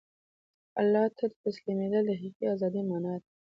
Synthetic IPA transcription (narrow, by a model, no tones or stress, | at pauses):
a̰lːɑht̪ʰad̪ət̪aslimed̪alaɦiqiazɑd̪imɑnɑd̪